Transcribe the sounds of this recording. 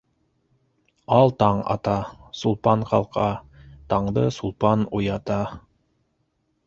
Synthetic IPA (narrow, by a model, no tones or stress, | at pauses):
ɑlˠt̪ɑɴɑ̰t̪ɑsulˠpɑɴqɑ̰lˠqʰɑ | t̪ɑɴd̪ɤsulˠpɑnujɑt̪ɑ